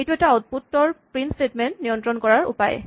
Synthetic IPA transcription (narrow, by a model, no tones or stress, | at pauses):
ejtuɛtaɔt̚putːɔɹpɹinstetmɛntnijɔntɹɔnkɔɹaɹṵpaj̰